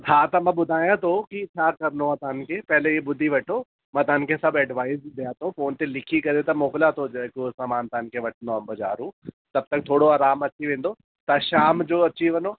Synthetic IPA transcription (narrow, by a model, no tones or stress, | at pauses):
t͡ɕʰaːt̪ɐmãɓʊd̪ʱaːjãt̪ʰokit͡ɕʰaːkɐɾənoaːt̪oɦən̆kʰepɐɦɪleɓʊd̪ʱiʋɐʈʰo | mãːt̪ɐɦənkʰesɐbɛːɖʋaːɪzɗ̪ijãt̪ʰõfoːnt̪elɪkʰikɐɾet̪ɐmoːkɪlat̪ʰod͡ʑɐkosaːmaːnt̪ɐɦənkʰeʋɐʈʰənd̪oãmbɐd͡ʑa̰ːɾũ | t̪ɐb̚t̪ɐk̚t̪ʰoːɽoaːɾaːmɐt͡ɕiʋẽːnd̪o | t̪ɐʃaːmd͡ʑoːɐt͡ɕiʋɐnoː